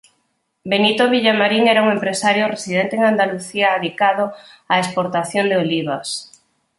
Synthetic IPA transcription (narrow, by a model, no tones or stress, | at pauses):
benit̪oβiʎamaɾiŋɛɾauŋempɾesaɾjoresiðent̪eŋand̪aluθiaːβikaðoaespoɾt̪aθjond̪eoliβ̞as